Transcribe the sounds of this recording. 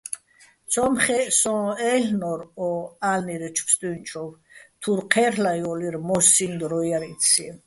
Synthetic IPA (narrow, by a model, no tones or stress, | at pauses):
t͡sʰɔmχɛsɔ̃ːɛɬnɔɾɔalniɾɛt͡ʃʰpst̪ʼunt͡ʃʰʼɔvt̪ʰuɾqʰɛɾlajɔliɾmɔsind̪ɾɔjaɾit͡sʰi